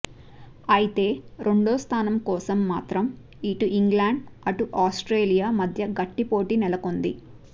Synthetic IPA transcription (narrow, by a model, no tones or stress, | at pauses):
ɐjit̪e̞ːɾʔeɳɖoːst̪ʰaːnɐmkɔːsɐmːaːt̪ɾɐm | iʈuʔiŋɡlaːɳɖɐʈuʔaːsʈɾeːlijaːmɐd̪ʱjɐɡɐʈːipo̞ːʈinɛlɐko̞nd̪ḭ